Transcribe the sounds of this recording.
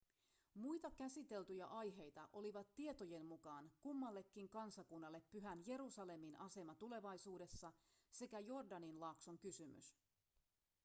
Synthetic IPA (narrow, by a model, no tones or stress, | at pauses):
mujt̪ɑkæsit̪e̞lt̪yjæʔɑjɦe̞jt̪ɑʔo̞liʋɑt̪ːie̞t̪o̞je̞nmukɑːnkumːɑlːe̞kːiŋkɑnsɑkunːɑlːe̞pːyɦænje̞ɾusɑle̞minɑse̞mɑt̪ule̞ʋɑjsuːde̞sːɑse̞kæjo̞rdɑninlɑːksoŋkysymy̰s